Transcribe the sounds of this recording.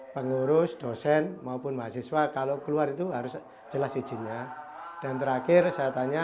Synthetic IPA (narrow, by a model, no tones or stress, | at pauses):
pəŋuɾʊsd̥osɛnmaupʊnmaasɪswakalokəluaɾit̪uɦaɾʊs | d͡ʒ̥əlasːi̥d͡ʒ̥i̤ɲad̥a̤nt̪əɾakɪrsajat̪aɲa